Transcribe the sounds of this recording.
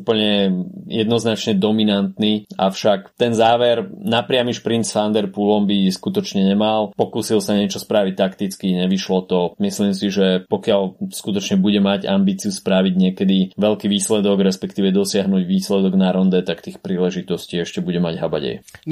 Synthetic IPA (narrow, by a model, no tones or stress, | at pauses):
upl̩ɲɛjɛd̪nɔznat͡ʃɲɛd̪ɔminant̪niafʃakt̪ɛnzaːʋɛɾnapɾɪamiʃpɾint͡sfand̪ɛɾpulɔmbiskut̪ɔt͡ʃɲɛɲɛmalpɔkusilsaɲɛt͡ʃɔspɾaʋic̚t̪akt̪it͡skiɲɛʋiʃlɔt̪ɔmislimsiʒɛpɔkɪalskut̪ɔt͡ʃɲɛbuɟɛmaɟa̰mbiːt͡siuspɾaʋiɟɲɪɛkɛd̪iʋɛʎkiʋiːslɛd̪ɔɡɾɛspɛkt̪iːʋɛd̪ɔsɪaɦnuːɟʋiːslɛd̪ɔɡnaɾɔnd̪ɛt̪akt̪iːxpɾiːlɛʒit̪ɔsciːɛʃcɛbuɟɛmaɟɦaba̰ɟɛ̰j